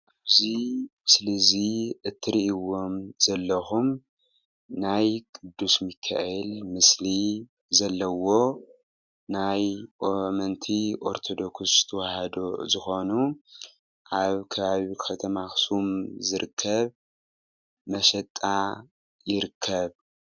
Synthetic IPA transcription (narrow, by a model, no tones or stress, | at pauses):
ʔaβzimɨsliziʔɨt̪ʰːɨɾiʔiwo̞mz̥ɐlːɐxum | najkʼɨd̪ːusmɨkʰːa̰ʔɛlmɨsli | zɐlːɐwo̞ | najʔomɐnt̪ʰiʔo̞ɾt̪ʰo̞d̪o̞kszɨ̥t̪ʰɐwahɐd̪ozɨxo̞nu | ʔaβkʰɐβaβikʰɐt̪ʰɐmaxsumzɨɾɨkʰːɐβ | mɐʃɐt̪ʼːa | jɪɾɨkʰːɐβ